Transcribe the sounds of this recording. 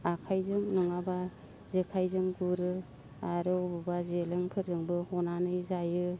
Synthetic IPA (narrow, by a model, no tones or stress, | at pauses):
akʰajzɯŋnɯŋaba | zekʰajzɯŋɡuɾɯ | aɾɯɔbɯbazelɯŋpʰɯɾzɯŋbɯhɔnanɯjzajɯ